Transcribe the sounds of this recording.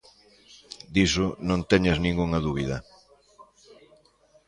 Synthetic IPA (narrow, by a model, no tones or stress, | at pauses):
d̪isʊnõnt̪eɲɐznĩŋɡuŋɐðuβiðɐ